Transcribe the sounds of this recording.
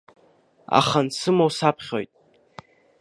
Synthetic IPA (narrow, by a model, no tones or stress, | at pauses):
a̰χansɨmowsapʰχʲo̞̰jtʼ